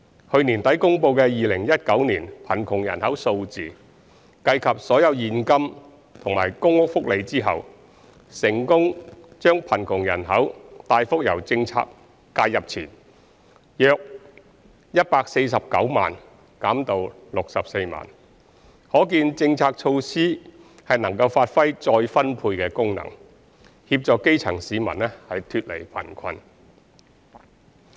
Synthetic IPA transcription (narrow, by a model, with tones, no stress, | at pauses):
hɵ˧ɥniː˨˩nt̪ɐ˨˥jkʊ˥ŋpo˧wkɛː˧jiː˨˧lɪ˨˩ŋjɐ˥t̚kɐ˨˥wniː˨˩npʰɐ˨˩nkʰʊ˨˩ŋjɐ̰˨˩nhɐ˨˥wso˧wt͡siː˨ | kɐ˧jkʰɐ˨p̚sɔː˨˥jɐ˨˧wjiː˨˧nkɐ˥m | t̪ʰʊ˨˩ŋmaː˨˩jkʊ˥ŋwʊ˥k̚fʊ˥k̚le˨˧jt͡siː˥ɦɐ̰˨w | sɪ˨˩ŋkʊ˥ŋt͡ʃœː˥ŋpʰɐ˨˩nkʰʊ˨˩ŋjɐ̰˨˩nɦɐ˨˥wt̪aː˧jfʊ˥k̚jɐ̰˨˩wt͡sɪ˧ŋt͡sʰa̰ː˧kː | aː˧jɐ˨p̚t͡sʰḭː˨˩n | jœː˨˧k̚ | jɐ˥t̚paː˧k̚se˧js̬ɐ˨p̚kɐ˨˥wma̰ː˨˩n | kaː˨˥mt̪o˧w | lʊ˨k̚sɐ˨p̚se˧jma̰ː˨˩n | hɔː˨˥k̬iː˧nt͡sɪ˧ŋt͡sʰaː˧k̚t͡ʃʰo˧wsiː˥ | hɐ˨jnɐ˨˩ŋkɐ˧wfaː˧t̚fɐ˥jt͡ʃɔː˧jfɐ˥npʰuː˧jkɛː˧kʊ˥ŋnɐ̰˨˩ŋ | hiː˧p̚t͡sɔː˨˧kːe˥jt͡sʰɐ˨˩ŋsiː˨˧mɐ̰˨˩nlɛ˥hɐ˨jt̪ʰyː˧t̚lḛ˨˩jpʰɐ̰˨˩nkʰɐ˧n